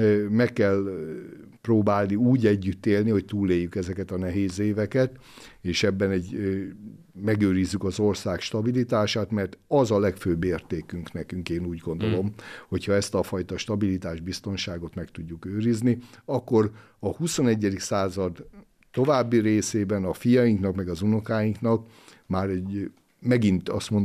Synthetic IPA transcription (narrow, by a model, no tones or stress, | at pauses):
mɛkːɛl | proːbaːlniuːɟɛɟːyt̪ːeːlniho̞c̚t̪uːlːeːjːykɛzɛkɛt̪ɒnɛɦeːzeːvɛkɛt̪ | eːʃɛbːɛnɛɟ | mɛɡøːɾizːykɒzo̞rsaːkʃt̪ɒbilit̪aːʃaːt̪mɛrt̪ɒzɒlɛkføːbeːrt̪eːkyŋknɛkyŋkeːnuːɟɡo̞nd̪o̞lo̞mho̞chɒɛst̪ɒfɒjt̪ɒʃt̪ɒbilit̪aːʒbist̪o̞nʃaːɡo̞t̪mɛkt̪uɟːukøːɾizniɒkːo̞r | ɒhuso̞nɛɟːɛd̪iksaːzɒd̪ | t̪o̞vaːbːiɾeːseːbɛnɒfijɒjiŋknɒkmɛɡɒzuno̞kaːjiŋknɒk | maːɾɛɟ | mɛɡint̪ɒst̪mo̞n